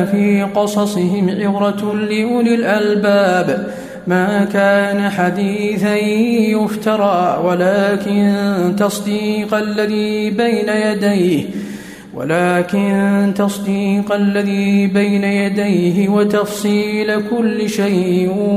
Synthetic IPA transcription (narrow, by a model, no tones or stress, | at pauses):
fiːqɑsˤɑsˤɪɦɪmʕɪbɾɑlɪʔlɪlʔalbaːb | maːkaːnaħad̪iːθajjʊft̪ɑɾˤɑːwalaːkɪnt̪ɑsˤd̪iːqalːaðiːbajnajad̪ajh | wa̰laːkɪnt̪ɑsˤd̪iːqalːaðiːbajnajad̪ajɦɪwat̪ɑfsˤiːlakʊlːɪʃajʔɪ